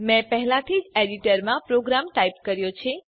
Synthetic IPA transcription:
mɛ̃pəɦɛlãt̪ʰid͡ʒeɖiʈəɾmãpɾoɡɾamʈaip̚kəɾjot͡ʃʰe

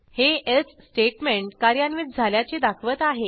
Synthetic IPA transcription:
heessːʈeʈmeɳʈkaɾjanʋit̪̚d͡zʱaljat͡sed̪akʰʋət̪aɦe

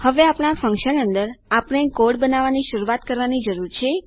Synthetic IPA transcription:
həʋeapɳ̃afə̃ŋkʃənənd̪əɾapəɳ̃ekoɽbənaʋaniʃuɾuat̪kəɾʋanid͡ʒəɾuɾt͡ʃʰe

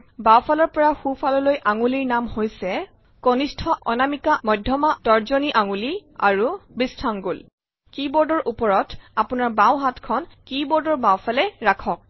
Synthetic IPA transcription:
bawfʰalɔɹpɔɹaxufʰalɔlojʔaŋuliɹnamhojsɛ | konistʰɔʔɔnamikamɔjdʱjɔmatɔɹzɔniʔaŋulia̰ɹubistʰaŋɡol | kibɔɹdɔɹʔupɔɹɔtapunaɹbawɦatkʰɔnkibɔɹdɔɹbawpʰalɛɹakʰɔk̚

